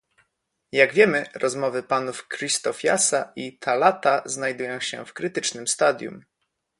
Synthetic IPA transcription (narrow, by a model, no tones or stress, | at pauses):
jaɡvʲjɛmɘɾɔzmɔvɘpanufkɾist̪ɔfʲja̰saʔit̪ʰalat̪aznajd̪ujɔ̃w̃ɕɛ̰fkɾɘt̪ɘt͡ʂnɘmst̪ad̪ʲjṵm